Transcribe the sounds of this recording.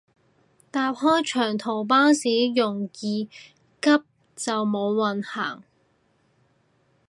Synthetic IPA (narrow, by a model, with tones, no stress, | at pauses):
t̪aː˧p̚hɔː˥jt͡ʃʰœː˨˩ŋt̪ʰo˨˩wp̬aː˥nsiː˨˥jʊ˨˩ŋjiː˨˧ | kɐ˥p̚ | t͡sɐ˨wmo˨˧wːɐ˨nha̰ː˨˩ŋ